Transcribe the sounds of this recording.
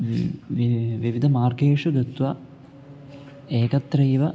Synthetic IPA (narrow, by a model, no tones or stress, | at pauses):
ʋiʋid̪ʱɐmaːrɡeːʂɐɡɐt̪ʋɐ | eːkɐt̪ːɾɐjʋɐ